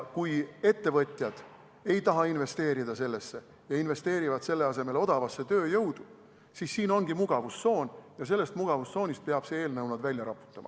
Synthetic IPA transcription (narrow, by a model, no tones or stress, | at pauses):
kuje̞t̪ːe̞vɤ̞t̪ʲˑjɑd̪̥ | e̞jt̪ɑɦɑinve̞st̪e̞ːɾid̪̥ɑse̞lːe̞sːe̞ | jɑinve̞st̪e̞ːɾivɑd̪̥se̞lːe̞ɑse̞me̞lo̞d̪̥ɑvɑsːe̞t̪øːjɤwd̪̥u | sisːiːno̞nɡ̥imuɡ̥ɑvusso̞ːnjɑs̬e̞lːe̞st̪muɡ̥ɑvust̪so̞ːnʲist̪̚peɑb̥see̞ːlnɤwnɑd̪vælʲjɑɾɑpːˑu̥t̪ːˑɑmɑ̰